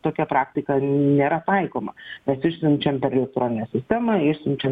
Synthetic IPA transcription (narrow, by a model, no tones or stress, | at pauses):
t̪oːkʲɛpɾɑːkt̪ʲɪkɐnʲeːɾɐt̪ɐɪkoːmɐmʲɛsɪʃʲsʲmt͡ʃʲɛmpʲɛɾɛlʲɛk̚t̪ɾoːnʲɪnʲɛsʲɪsʲt̪ʲæːmɐɪʃʲsʲɪmt͡ʃʲɛm